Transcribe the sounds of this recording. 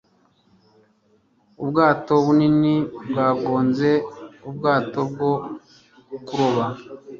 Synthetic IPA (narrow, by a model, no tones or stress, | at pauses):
ubɡaːto̞βuninibɡaːɡoːnze̞ubɡaːto̞b̚ɡo | kuɾoβa